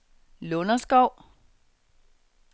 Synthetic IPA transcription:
lɔnɐsɡ̥ɒʊ̰

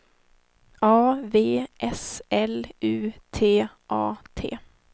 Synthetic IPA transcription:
ɑːveːʔɛsɛlʉːt̪ʰeː | ʔɑ̰ːt̪ʰḛː

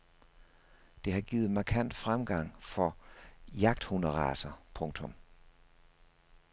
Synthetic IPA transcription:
d̥e̝ɦɑ̈ɡ̥iːð̩ˠmɑ̈kʰæn̰d̥fʁamɡ̥ɑ̈ŋ̰fɒ̽jɑ̈ɡ̥̚d̥hunɐʁɑ̈sɐpʰɔ̽ŋt͡sʰɔ̽m

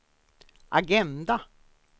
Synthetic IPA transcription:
ʔaɡɛnd̪a

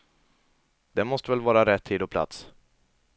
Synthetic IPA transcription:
d̪̥ɛmɔst̪əvɛlvɑːɾaɾɛt̪ʰːiːd̪ɔpʰla̰t̪s

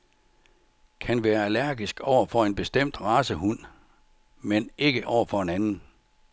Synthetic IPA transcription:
kʰænʋæːɐælæɐɡisɡ̥ɒʊ̰ɐfɒ̽e̝nb̥e̝sd̥em̰d̥ʁɑ̈ːsəhun̰ | mene̝ɡ̥əʔɒʊ̰ɐfɒ̽e̝nænn̩

